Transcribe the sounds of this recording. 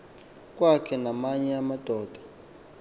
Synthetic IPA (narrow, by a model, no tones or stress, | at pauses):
kʼwakʰɛnamaɲɛamad̥ʱɔːd̥ʱḁ